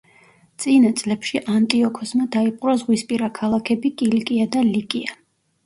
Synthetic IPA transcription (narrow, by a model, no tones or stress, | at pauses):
t̪sʼinat̪sʼlɛpʃiʔant̪ʼiɔkʰɔsmad̪aipʼɾazʁwispʼiɾakʰalˠakʰɛbikʼilikʼiad̪alikʼia